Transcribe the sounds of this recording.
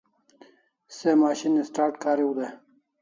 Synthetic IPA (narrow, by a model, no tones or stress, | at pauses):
semaːɕinisʈaːɾʈkʰaːɾiwud̪e